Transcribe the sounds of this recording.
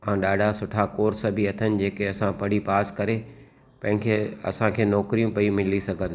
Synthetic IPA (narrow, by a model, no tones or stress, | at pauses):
ãːɗaːɖʱasʊʈʰakoːɾsɐbʱiɐt̪ʰənɪ̆d͡ʑeːkeɐsãpɐɽ̤ipaːskɐɾe | pɐ̃ɦɪ̃kʰeːɐ̰sãkʰeːnɔːkɾijũpɐĩmɪlisɐɡʱə̃nd̪